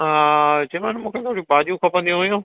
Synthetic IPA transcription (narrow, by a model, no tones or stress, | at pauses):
ɦat͡ɕɐmaːnmũːkʰet̪ʰoːɽĩbaːd̪ijũkʰɐpə̃nd̪ijũʋɐjũː